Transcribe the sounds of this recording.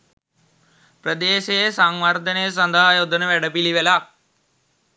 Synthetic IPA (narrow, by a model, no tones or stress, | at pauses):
prəd̪eːʃejəsaŋʋart̪ənəjəsand̪aɦajod̪ənəʋæɖəpiliʋəla